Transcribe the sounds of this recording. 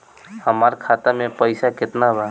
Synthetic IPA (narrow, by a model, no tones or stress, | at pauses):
həmaɾkʰat̪amepəɪsakɪt̪naɦba